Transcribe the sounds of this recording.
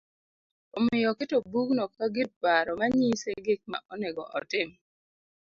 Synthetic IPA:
omɪjɔkɪtobuɡnɔkːaɡɪt̚paɾɔmaɲiseɡɪk̚ma̰ʔɔnɛɡɔ̰ʔɔ̰tɪm

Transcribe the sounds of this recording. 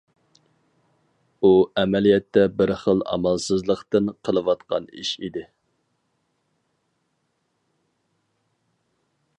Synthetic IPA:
uɛmɛlijɛt̪ʰːɛbɪɾχəlˠɑ̰mɑlˠsɨzlˠəqt̪ɨnqʰəlˠɨwɑt̪qɑ̰nḭʃid̪ɪ

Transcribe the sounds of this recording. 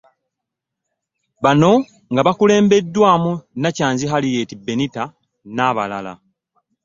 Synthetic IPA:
βano̞ | ŋɡaβakule̞ːmbe̞dːwaːmunacaːnziɦalije̞ːtibːe̞nita | naːβalala̰

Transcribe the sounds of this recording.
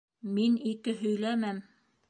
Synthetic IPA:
minikɘɦɵ̆jlæmæm

